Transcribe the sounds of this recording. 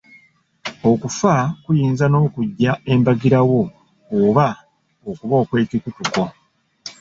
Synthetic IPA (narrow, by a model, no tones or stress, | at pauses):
o̞kufakujiːnzano̞ːkuɟːae̞mbaɡiɾawo̞ | oβa | okuβo̞ːkwe̞ːkikutuko̞